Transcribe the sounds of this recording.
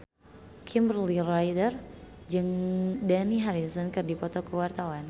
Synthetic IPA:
kʰimbərlirɔjdərd͡ʒɨŋdaniɦaɾisɔnkɨrdipɔt̪ɔkəwart̪awan

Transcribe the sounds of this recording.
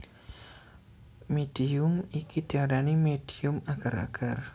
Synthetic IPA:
med̥iʊmikid̪̥iaɾanimed̥iʊmaɡ̥aɾa̰ɡ̥ar

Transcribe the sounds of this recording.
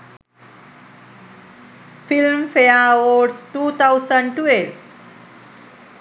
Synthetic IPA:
filmfejawoɖsʈuːt̪ʰawsə̃ɳɖʈueʈ

